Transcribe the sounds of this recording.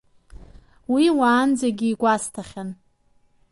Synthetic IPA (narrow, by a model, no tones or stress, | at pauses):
wiwaːnd͡zaɡʲiːɡʷastʰaχʲan